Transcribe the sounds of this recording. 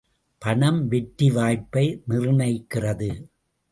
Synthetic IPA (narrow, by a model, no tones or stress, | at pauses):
pɐɳɐmʋɛʈːiʋaːjpːɐɪnɪrɯnɐɪkːɪrɐðɯ